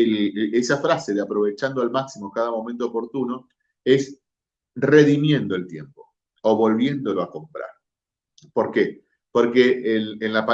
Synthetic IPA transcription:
esafɾase̞ðeapɾo̞βe̞t͡ʃand̪oalmaksimokað̞amõ̞mẽnt̪oːpo̞ɾt̪uno̞ | e̞s | re̞ðimje̞nd̪o̞elt̪je̞̰mpo̞̥ | oβo̞lβje̞nd̪o̞lo̞ako̞mpɾa̰ɾ | po̞ɾke | po̞ɾkeʔlːnlapa

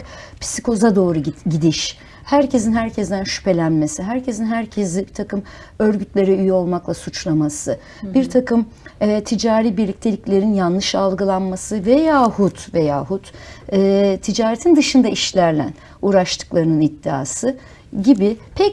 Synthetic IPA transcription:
pʰi̥si̥kʰo̞zad̪o̞ːɾuɟid̪iʃ | hæɾcʰe̞sinɦhæɾcʰɛzd̪ænʃy̥pe̞lʲænme̞siɦæɾcʰe̞sinɦæɾcʰezibit̪ʰakɯm | ø̞ɾɟyt̪lʲe̞ɾɛyjyo̞lˠmaklˠasut͡ʃlˠamasɯ | biɾt̪ʰakɯm | ɛːt̪ʰid͡ʒaːɾiːbiɾlʲic̚t̪ʰe̞lʲiclʲe̞ɾinjanlˠɯʃalˠɡɯlˠanmasɯvejaːhut̪veja̰ːɦut̪ɛːt̪ʰid͡ʒaːɾet̪ʰind̪ɯʃɯnd̪aiʃlʲæɾlʲæ̰n | uːɾaʃt̪ʰɯ̥klˠaɾɯnɯnid̪ːia̰ːsɯ | ɟibipʰɛc

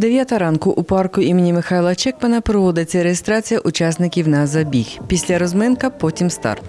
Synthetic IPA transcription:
d̪eʋʲjat̪ɐɐɾɑnkʊʔupɑrkʊimɪnʲimɪxajlˠɐt͡ʃɛkmɐnɐpɾɔʋɔd̪ɪt͡sʲːɐɾejest̪ɾat͡sʲijɐʔʊt͡ʃasnɪkʲiwnɐzɐbʲixpʲisʲlʲaɾɔzmɛnkɐpɔtʲimst̪ɑ̰rt̪

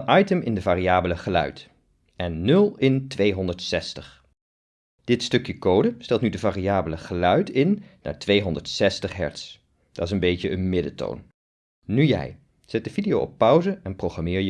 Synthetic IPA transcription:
ʔɑjtəmɪndəvaːriaːbələχəlœ̰ɥt | ɛnːɵlˠɪntʋejɦɔndəɹtsɛstəχ | d̥ɪtstɵkjəkowdəstɛlˠtnydəvaːriaːbələχəlœɥtɪnːa̰ːɹtʋejɦɔndəɹtsɛstəχɦɛ̰ɹts | d̥ɑtɪsə̃nbejcəənmɪdəto̰wn | nyjɛ̰j | z̥ɛt̚dəvidijowɔ̰pːʌwzəɛnprowχramɪːɹjə

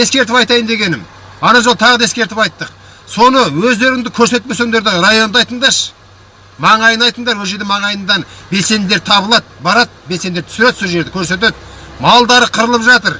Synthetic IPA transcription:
e̞skʲe̞ɾt̪ɪpɑjt̪ɑjənd̪e̞ɡʲe̞nɪm | ɑnɑʒot̪ʰɑʁəd̪ɑeskʲe̞ɾt̪ɪpɑjt̪ːəq | so̞nəwɵzd̪e̞ɾɪŋd̪ɪkʲʰɵɾse̞t̪̚pesønd̪e̞ɾd̪ɪɾɑjo̞nd̪ɑjt̪əɴd̪ɑɾʃ | mɑɴɑjənɑjt̪əɴd̪ɑɾwɵlʒe̞ɾd̪ɪmɑɴɑjənd̪ɑnbe̞lse̞nd̪d̪e̞ɾt̪ʰɑβəlˠɑt̪̚bɑɾɑt̪̚belse̞nd̪et̪ʰʏsɪɾed̪soʒe̞ɾd̪ɪkʲʰɵɾse̞t̪e̞t̪̚ | mɑlˠd̪ɑɾəqʰəɾəlˠəpʒɑt̪əɾ

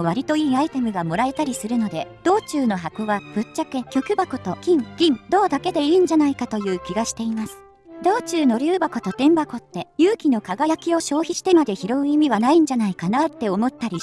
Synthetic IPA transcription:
βaɾʲit̪o̞iːait̪e̞mɯ̟ɡamo̞ɾae̞t̪aɾʲisɨɾɯ̟no̞d̪e̞d̪̥o̞ːt͡ɕɨːno̞ɦakoβab̥ɯ̟tt͡ɕːakɯkʲo̞kɯ̟bako̞t̪o̞kʲĩŋɡ̥ʲĩŋd̪o̞ːd̪ake̞d̪e̞iːɲ̟d͡ʑanaikat̪o̞jɯ̟ːkʲiɡaɕi̥t̪e̞imasɨ̥ | d̪o̞ːt͡ɕɨːno̞ɾʲɨːbako̞t̪o̞t̪ẽ̞mbako̞t̪ːe̞jɯːkʲino̞kaɡajakʲio̞ɕo̞ːçiɕi̥t̪e̞mad̪e̞çiɾo̞ɯ̟imʲiβanaĩɲ̟d͡ʑanaikanat̪ːe̞o̞mo̞t̪ːaɾʲi

